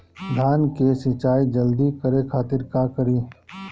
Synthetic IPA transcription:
d̪ʱaːnkesɪt͡ʃaːid͡ʒəld̪ikəɾekʰaːt̪ɪɾkaːkəɾiː

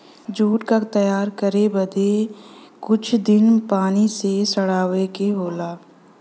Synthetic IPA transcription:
d͡ʒuːʈkat̪ɐjaːɾkəɾebəd̪ekʊt͡ʃʰd̪ɪnpaːnisesəɽaːʋekeɦoːlaː

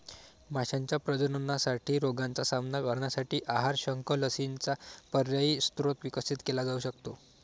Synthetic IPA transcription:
maɕaɲt͡ɕjapɾəd͡ʑənənasaʈiːɾoɡant͡sasamnakəɾɳjasaʈiːʔaɦaɾɕəŋkələsint͡sapəɾjaiːst̪ɾot̪ʋikəsit̪kelad͡zauɕəkt̪o

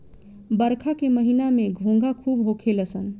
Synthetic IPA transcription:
bəɾkʰakeməɦinameɡʱõŋɡakʰubɦokʰeləsən

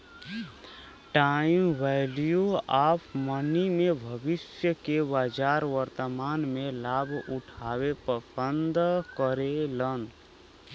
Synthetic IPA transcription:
ʈaimʋɛljuaːpmənimebʱəbɪsjəkebaːd͡ʒaːɾʋəɾt̪əmaːnmẽlaːbʱʊʈʰawepəsənd̪kəɾelən

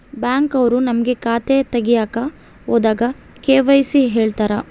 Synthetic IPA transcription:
bjaːŋkɐʋɐɾunɐmɐɡe̞kaːt̪et̪ɐɡijaːkɐ | oːd̪aːɡɐ | keːʋɐjsiɦeːɭt̪aːɾɐ

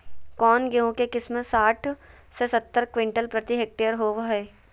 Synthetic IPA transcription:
kɔːnɡeɦõkekɪsmə̃saːʈʰ | sesɐt̪ːəɾkʋɪ̃ɳʈəlpɾɐt̪iɦeːk̚ʈeːəɾɦoːʋɦɛː

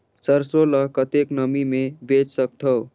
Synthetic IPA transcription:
səɾsoləkət̪eknəmimebet͡ʃsək̚t̪ʰəw

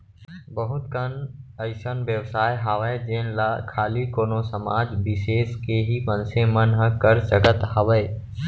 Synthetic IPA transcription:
bəɦʊt̪kənəɪsənʋjəʋsaːjɦaːʋəed͡ʒeːnlakʰaːlikoːnosəma̰ːd͡ʒbɪseːskeɦipənsẽmənɦəkəɾt͡ʃəɡət̪ɦaʋəe

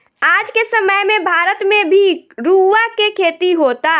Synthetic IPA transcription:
aːd͡ʒkesəməjmẽbʱaːɾət̪mẽbʱiɾuːʋakekʰeːt̪iɦoːt̪aː

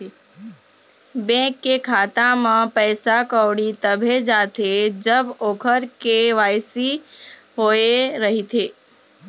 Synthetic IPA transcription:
bẽːkːekʰaːt̪amãpɛːsakəʊɽit̪əbʱed͡ʒaːt̪ʰed͡ʒəboːkʰəɾkeʋaːjsi | ɦoːeɾəɦit̪ʰeː

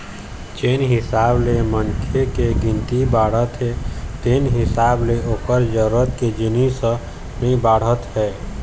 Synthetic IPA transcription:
t͡ʃeːnɦɪsaːblemənkʰekeɡɪ̃nt̪ibaːɽ̤ət̪ɦɛt̪eːnɦɪsaːbleoːkəɾd͡ʒəɾuɾət̪ked͡ʒɪnisə̃ | mẽbaːɽ̤ət̪ɦɛː

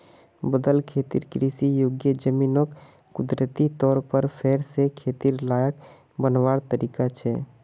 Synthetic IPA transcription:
bəd̪əlkʰet̪ḭɾkɾisijoɡjəd͡ʒəminokː | ud̪ɾət̪it̪ɔːɾpəɾpʰeɽsekʰet̪iɾlajək | bənʋaɽt̪əɾikat͡ʃʰɛ

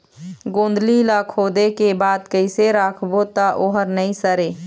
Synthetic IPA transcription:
ɡõːnd̪lilaːkʰoːd̪ekebaːd̪kəɪseɾaːkʰbot̪aʔoːɦəɾnəĩsəɾeː

